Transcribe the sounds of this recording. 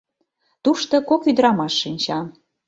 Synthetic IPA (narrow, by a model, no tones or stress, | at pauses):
t̪uʃt̪ɤkokyd̪ɾɑmɑʃːinʲt͡ɕɑ